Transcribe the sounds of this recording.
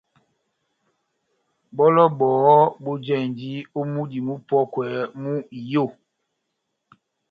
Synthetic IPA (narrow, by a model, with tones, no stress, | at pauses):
bɔ˦lɔ˦bɔː˨˦bo˦d͡ʒɛ˦˨ndi˦o˦mu˦di˨mu˦pɔ˦kwɛ˨˦mu˦i˨jo˦˨